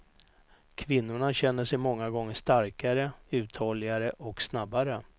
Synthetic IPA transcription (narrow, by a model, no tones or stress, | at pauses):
kʰvɪnːʊɳaɕɛnːəʂɛjmɔŋːaɡɔŋːəʂt̪aɾkaɾəʉ̟ːt̪ʰhɔlɪaɾəʔɔksnabːaɾə